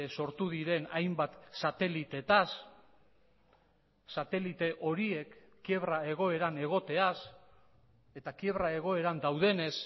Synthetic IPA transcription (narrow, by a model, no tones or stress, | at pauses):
so̞ɾt̪uðiɾe̞najmbat̪sat̪e̞lit̪e̞t̪as | at̪e̞lit̪e̞ʔo̞ɾie̞kː | ie̞βɾae̞ɣ̞o̞e̞ɾane̞ɣ̞o̞t̪e̞as | e̞t̪akie̞βɾae̞ɣ̞o̞e̞ɾand̪awðe̞ne̞s